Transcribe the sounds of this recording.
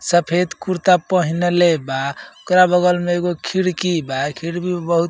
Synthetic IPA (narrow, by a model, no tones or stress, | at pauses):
səpʰed̪kuɾt̪apəɦinelebaokɾabəɡəlmeeɡokʰiɽkibakʰiɽbʱibəɦut̪